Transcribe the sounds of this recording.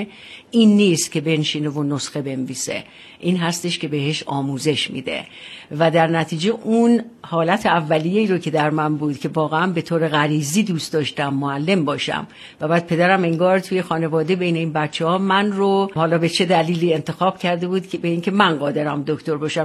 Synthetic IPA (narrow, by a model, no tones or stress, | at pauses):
iːnːiːst̪̚cʲʰe̞be̞nʃiːnevonosxe̞be̞nviːse̞̰ | ʔiːnɦæst̪e̞ʃcʲe̞be̞ɦe̞ʃɒːmuːze̞ʃmḭːd̪e̞̰ | væd̪æɾnæt̪ʰiːd͡ʒe̞ʔunhɒːlæt̪ʰeævːælijeiːɾocʰe̞d̪æɾmænbuːd̪̥cʰe̞vɒːɣeænbe̞t̪ʰoːɾe̞ɣæɾiːziːd̪uːst̪d̪ɒːʃt̪æmːoælːe̞mbɒːʃæ̰m | væbæːd̪̚pʰe̞d̪æɾæmeŋɡɒːɾt̪ʰuːje̞xɒːne̞vɒːd̪ebe̞jne̞iːnbæt̪t͡ʃʰːehɒːmænrohɒːlɒːbet͡ʃʰe̞d̪æliːliːe̞nt̪ʰe̞xɒːb̥cʰæɾd̪e̞buːd̪kʰebeiːŋcʰe̞mænɢɒːd̪eɾæmd̪oct̪oɾbɒːʃæ